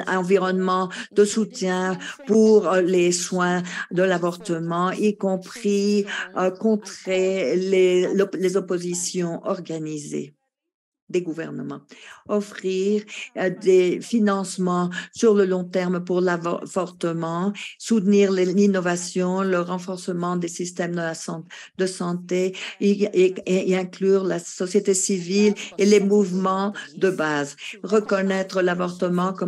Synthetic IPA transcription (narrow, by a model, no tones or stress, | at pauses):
ɑ̃viʁɔnmɑ̃d̪̥əsut̪jɛ̃puʁleswɛ̃d̪əlavɔʁt̪əmɑ̃ikɔ̃pχi | kɔ̃t̪χelelezɔpozisjɔ̃ʔɔʁɡanizḛ | d̪eɡuvɛʁnəmɑ̃ɔfχiʁd̪efinɑ̃smɑ̃syʁləlɔ̃t̪ɛʁmpuʁlavvɔʁt̪əmɑ̃sut̪niʁllinɔvasjɔ̃ləʁɑ̃fɔʁsəmɑ̃d̪esist̪ɛmd̪əlasɑ̃ | d̪əsɑ̃t̪e | ɛ̃klyʁlasɔsjet̪esivilelemuvmɑ̃d̪əbazʁəkɔnɛt̪χəlavɔʁt̪əmɑ̃kɔ